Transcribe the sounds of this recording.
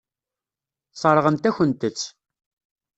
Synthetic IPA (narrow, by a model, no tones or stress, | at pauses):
t͡sˤːɑɾˤʁənt̪æçʷənt̪ət͡sː